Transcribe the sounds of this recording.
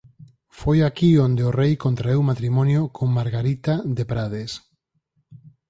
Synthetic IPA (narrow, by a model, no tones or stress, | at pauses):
fojakiond̪eorejkont̪ɾaewmat̪ɾimɔnjokʰoŋmaɾɣaɾit̪aðepɾaðes